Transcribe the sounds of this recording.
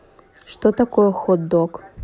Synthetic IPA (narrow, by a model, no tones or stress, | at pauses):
ʂt̪ot̪akʰojoxod̪okʼ